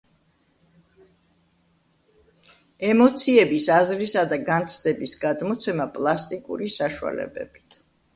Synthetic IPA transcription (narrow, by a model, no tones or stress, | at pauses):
ɛmɔt̪sʰiɛbisazɾisad̪aɡant̪sʰd̪ɛbisɡad̪mɔt̪sʰɛmapʼlˠast̪ʼikʼṵɾisaʃua̰lɛ̰bɛ̰b̥it̪ʰ